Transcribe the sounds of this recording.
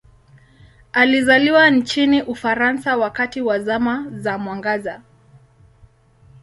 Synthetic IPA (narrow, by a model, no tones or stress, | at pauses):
alizaliwant͡ʃiniʔufaɾansawakatiwazamazamwaŋɡaza